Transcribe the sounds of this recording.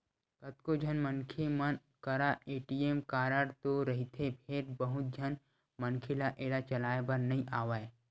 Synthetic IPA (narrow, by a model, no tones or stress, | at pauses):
kɐt̪̚kod͡ʒʱənmənkʰemən | kɐɾaeːʈiːemkaːɾəɽt̪oɾɐɦit̪ʰepʰeɾbɐɦʊt̪̚d͡ʒʱɐn | mənkʰɪlaʔeːɾat͡ʃɐlaːebəɾnɐɦĩʔaːʋaːe